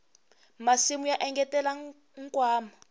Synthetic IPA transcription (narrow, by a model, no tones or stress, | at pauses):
masimujaʔɛŋɡɛtɛla | ŋkʼwaːma